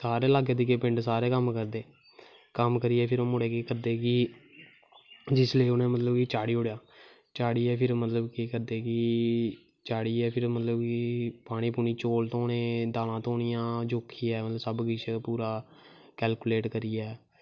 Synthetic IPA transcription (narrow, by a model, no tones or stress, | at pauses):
saːɾeːlaːɡed̪iːkeːpɪ̃ɳɖsaːɾeːkəmkəɾd̪eː | kəmkəɾiːɛːpʰɪɾoːmʊɽeːkeːkəɾd̪eːkɪ | d͡ʒɪsleeːʊnẽːmət̪ləbkit͡ʃaːɽiːʊɽejaː | t͡ʃaːɽiːɛːpʰɪɾmət̪ləbkikəɾd̪eːkɪ | t͡ʃaːɽiːɛːpʰɪɾmət̪ləbkɪpaːɽ̃iːpuːniːt͡ʃoːlt̪õːnẽːd̪aːlãːt̪õːnijãːd͡ʒoːkʰːiːɛːmət̪ləbsəbɡɪt͡ʃʰpuːɾaː | kɛːlkuːleːʈkəɾiːɛː